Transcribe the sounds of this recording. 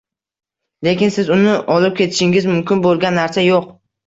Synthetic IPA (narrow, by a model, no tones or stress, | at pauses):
lekʲɪnsɪzʊnɪʔɒlɪp̚kʲʰe̞t̪ʰɪ̥ʃɪŋɪzmʊmkʲɪnbolˠɡʲanːaɾsajoq